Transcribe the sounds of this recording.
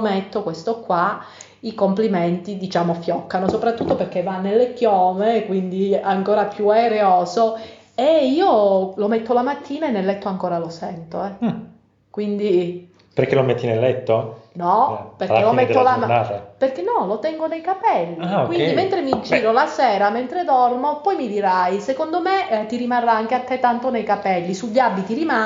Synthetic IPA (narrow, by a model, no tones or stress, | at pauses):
met̪ːokwest̪okːwa | ikompliment̪id̪it͡ʃaːmofjɔkːanosopɾat̪ːut̪ːoperk̟ːevːanːelːekjɔːmekwind̪iaŋkoːɾapjueɾeoːzo | eiːolomet̪ːolamat̪ʰːiːnaenːelːɛt̪ːoaŋkoːɾalosɛnt̪oɛ | kwind̪i | peɾkelomet̪ːinelːɛt̪ːonɔperelomet̪ːolanaːɾeperkenɔlot̪ɛŋɡonejkapɛlːiakwind̪iment̪ɾemid͡ʒiːɾolasɛːɾament̪ɾed̪ɔrnopɔjmid̪iɾajsekond̪omet̪iɾimarːaaŋk̟eat̪ːet̪ːant̪onejkapɛlːisuʎːiabːit̪iɾima